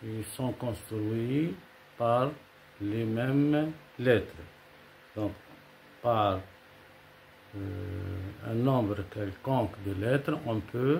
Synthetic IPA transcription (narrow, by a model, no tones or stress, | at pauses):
ilsɔ̃kɔ̃st̪ɾyi | paʁ | lemɛm | lɛt̪χ | d̪̥ɔ̃k | paʁ | ɛ̰̃nɔ̃bʁəkɛlkɔ̃kd̪əlɛt̪ʁəɔ̃pʰø